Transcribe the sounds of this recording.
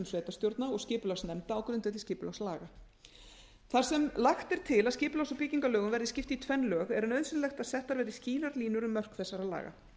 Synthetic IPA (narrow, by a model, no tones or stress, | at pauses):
msvɛːt̪ast̪jowɾt̪naɔscɪːpʏlawsnɛmt̪aːwkʰʏɾʏnt̪ɛːt̪ɪscɪːpʏlawsalaːɣa | θaɾ̥sɛmlaxt̪ɛɾ̥t̪ʰɪlaðscɪːpʏlawsapɪciŋkalœːɣʏmvɛɾðɪscɪft̪ɪit̪ʰvɛnlœːɣɛɾʏnœɥðsɪnlɛxt̪aðsɛht̪ːaɾvɛːɾɪsciːlaɾliːnʏɾʏmːœr̥kθɛsːaɾaðla̰ːɣa̰